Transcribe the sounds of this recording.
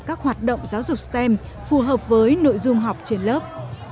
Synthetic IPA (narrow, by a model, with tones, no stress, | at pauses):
kaː˦˥k̚hwaː˨˩t̚ɗə̰˧˨wŋ͡mzaː˨˦wzʊ˨˩k͡p̚sɛ˧m | fu˨˩ɦəː˨˩p̚vəː˨˦jno̰˧˨jzʊ˧ŋ͡mɦa˨˩wk͡p̚t͡ɕi˧˩ənləː˦˥p̚